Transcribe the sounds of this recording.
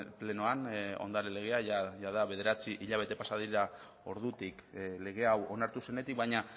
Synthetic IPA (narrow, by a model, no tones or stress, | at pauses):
ple̞noano̰nd̪aɾele̞ɣ̞e̞aʝaʝaðaβe̞ð̞e̞ɾat͡siʔiʎaβe̞t̪e̞pasaðiɾa | o̞ɾðut̪ikle̞ɣ̞e̞awo̞naɾt̪use̞ne̞t̪ik̚bajɲa